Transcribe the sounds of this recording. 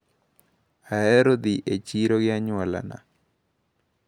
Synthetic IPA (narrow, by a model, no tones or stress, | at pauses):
aɛɾod̪iʔet͡ʃiɾoɡɪaɲʊwala̰na̰